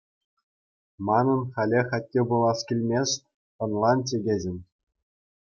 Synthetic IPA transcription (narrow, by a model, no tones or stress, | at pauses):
mɑnɤ̆nχɑlʲeχɑtʲːebulˠɑskʲilʲmʲest̚ʲ | ɤ̆nlˠɑnt͡ɕʲeɡʲeʑʲɘ̆nʲ